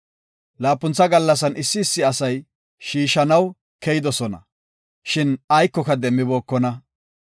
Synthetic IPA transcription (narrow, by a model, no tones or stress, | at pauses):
laːpːʊnt͡sːɐɡɐlːɐs̬ɐnɪsːɪːsːɪɐsɐj | ʃiːʃɐnɐw | kɛjɪd̪ɔsɔnɐ̰ | ʃɪnɐjkːɔkɐd̪ɛmːɪbo̞ːkːɔnɐ